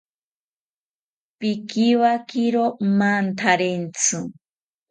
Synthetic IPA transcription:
pikiwakiɾomant̪ʰaɾent͡sʰɨ

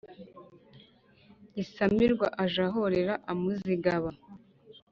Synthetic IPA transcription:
isamiɾɡwaʔaʒaɦoɾeɾaʔamuziɡaβa

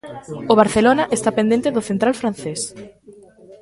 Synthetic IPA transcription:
oβ̞aɾθelonaʔest̪apẽnd̪ẽnt̪eðoθent̪ɾalfɾan̟θes

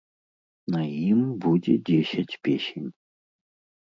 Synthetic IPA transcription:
nɐimbudʲɪ̰dʲesʲɐtʲpʲesʲɪnʲ

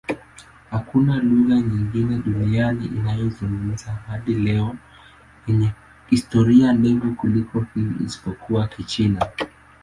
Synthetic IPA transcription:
hakunaluɣaɲiŋɡinɛɗunianiʔinajɔzuŋɡum̩zahaɗilɛɔ | jɛɲɛ | histɔɾiandɛvukulikɔhiḭsi̥pɔkuakit͡ʃina

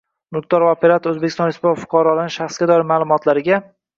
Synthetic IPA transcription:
nʊkt̪ʰɒɾvɒpʰeɾat̪ʰɵzbekʲɪst̪ɒnɪspt̪fʊ̥qʰɑɾɒlanɪʃaχsɡʲad̪ɒɪɾmaːlˠʊmɒt̪ʰlaɾɪɡʲa

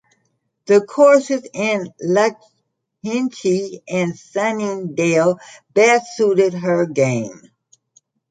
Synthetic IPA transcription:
ðɨkʰɔɹsɨzɪ̃nlɛk̚ | hɪ̃nt͡ʃiɨ̃nsænĩndeɪlˠb̥æsuɾɪd̚ə˞ɡẽɪ̃m

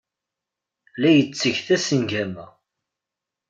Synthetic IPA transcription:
læjət͡sːəʝθæsənɡæmæ

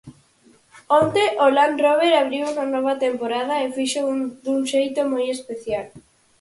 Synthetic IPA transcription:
ont̪eʔolanroβ̞eɾaβɾiwuŋanɔβ̞at̪empoɾaðaefiʃod̪uŋʃejt̪omɔjespeθjal

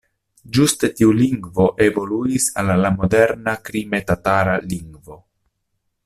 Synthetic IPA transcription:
d͡ʒustetiuliŋɡvo̞ʔevo̞luisalːamo̞de̞ɾnakɾime̞tataɾaliŋɡvo̞

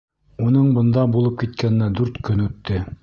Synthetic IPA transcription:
unɤɴbɤ̆nd̪ɑbulˠɤp̚kit̪kæn̆næd̪ʉɾt̪kɵnʉt̪ːɘ

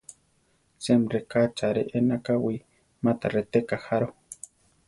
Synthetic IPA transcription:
semrekat͡ʃaɾeʔenakawi | mat̪a̰ret̪ekaxaɾo

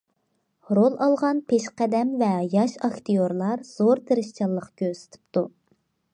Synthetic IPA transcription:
ɾolˠɑlˠʁɑnpʰeʃqɛd̪ɛmvɛjɑʃɑkt̪ijoɾlˠɑɾz̥oɾt̪ʰeɾɪʃt͡ʃʰɑlˠːəqkʲøɾsɪ̥t̪ʰɪ̥p̚t̪u

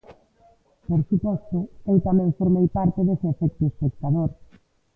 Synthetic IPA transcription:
poɾsupɔst̪ʊewt̪amɛ̃ŋfoɾmejpaɾt̪eðeseefɛk̚t̪ʊespek̚t̪aðoɾ

